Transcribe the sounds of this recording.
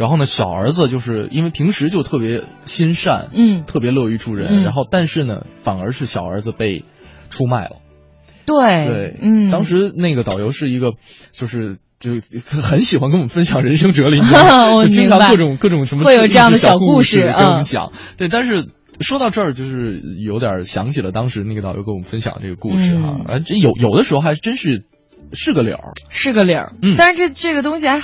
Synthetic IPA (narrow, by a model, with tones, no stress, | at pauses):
a˧˥nxo˥˩ʊnə˩ɕjɑ˨˩ʊə̰˞˧˥d͡zɹ̩˧t͡ɕjo˥˧ʊʂɻ̩˥˩ḭ˥nwɪpʰi˧˥ŋʂɻ̩˧˥t͡ɕjo˥˧ʊt̪ʰɤ˥˩pjɛ˧˥ | ɕi˥nʂa̰˥˩n̩˥˩t̪ʰɤ˥˩p̬jɛ˧˥lɤ˥˧y˥˩ʈ͡ʂʰu˥˩ɻə̰˧˥nɻa˧˥nxo˥˧ʊt̪a˥˧nʂɻ̩˥˩nə̰˩fa˨˩nə˞˧˥ʂɻ̩˥˩ɕjɑ˨˩ʊə̰˞˧˥d͡zɹ̩˧pe˥˩ɪ | ʈ͡ʂʰu˥ma˥˩ɪlə̰˩ | t̪we˥˩ɪwe˥˩ɪ˥˩t̪ɑ˥ŋʂɻ̩˧˥ne˥˩ɪɡə˩ɑ˨˩ʊjo˧˥ʊʂɻ̩˥˩i˧˥ɡə˧ | t͡ɕjo˥˧ʊʂɻ̩˥˧ | t͡ɕjo˥˩ʊ˧xə˧˥nɕi˨˩xwa˧nkə˥nwfə˥nɕjɑ˨˩ŋɻə˧˥nʂɤ˥ŋʈ͡ʂɤ˧˥li˧˥˧t͡ɕi˥t̪ʰa˥kkɤ˥˩ʈ͡ʂʊ˨˩˦ŋkɤ˥˩ʈ͡ʂʊ˨˩ŋʂə˧˥mm˧we˥˩jo˧˨˩ʈ͡ʂjɑ˥˩ŋ˥d̪ə˩ɕɑjɑ˩˨˩ʊkkuu˥˧ʂɻ̩˥˧˥ɔ˧˦m˥ɕjɑ̰˨˩˦ŋ | t̪we˥˧ɪt̪a˥˧nʂ̬ɻ̩˥˩ | ʂwo˥t̪ɑ˥˧ʊʈ͡ʂɤ˥˩t͡ɕjo˥˧ʊʂɻ̩˥˩jo˧˥ʊt̪jɐ̰˨˩ɕjɑ̰˧˥ŋt͡ɕʰi˨˩lə˦t̪ɑ˥ŋʂɻ̩˧˥ne˥˩ɡə˩t̪ɑ˨˩ʊjo˧˥ə˥wɔ˨˩˦fə˥nɕjɑ̰˨˩ŋdəʈ͡ʂɤ˥˩ɡə˩kṵ˥˩ʂɻ̩˥˧˩ɐ̰˧˩a̰˧˥jo˨˩ʊjo˨˩ʊə˦ʂɻ̩˧˥xo˥˧˩xa˧˥ɪɻ̩˥˧ʈ͡ʂə˥nʂɻ̩˥˩ | ʂɻ̩˥˩ɡə˩ljɑ̰˨˩˦ʂɻ̩˥˩ɡə˩ljɑ̰˨˩˥n̩˥˩t̪a˥˧˥ʈ͡ʂʈ͡ʂɤ˥˩ɡə˩t̪̬ʊ˥ŋɕi˨˩xa˧˥